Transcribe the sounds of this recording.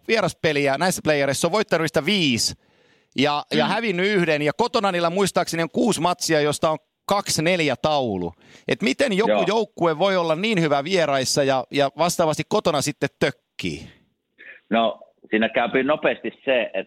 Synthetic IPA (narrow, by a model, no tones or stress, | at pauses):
ʋieɾɑspeliænæisːæ̥plejːɑɾesːoʋʋoit̪ːɑnynist̪æʋiːs | jɑjɑhæʋinːyyhdenjɑkot̪onɑniːlːæmuist̪ɑːksenioŋkuːsmɑt̪siɑjost̪ɑoŋ | kɑksneljæt̪ɑulṵ | ʔḛt̪mit̪enjokujoukːueʋʋoiolːɑnniːnhyʋæʋierɑisːɑjɑjɑʋɑst̪ɑːʋɑst̪ikkot̪onɑsit̪ːet̪tøkːḭː | no | siːnækæˑypinopeːst̪isseet̪